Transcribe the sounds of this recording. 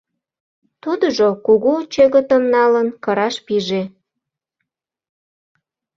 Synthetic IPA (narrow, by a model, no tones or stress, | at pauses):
t̪ud̪əʒokuɣut͡ɕeɣət̪əmnɑlənkəɾɑʃpiʒe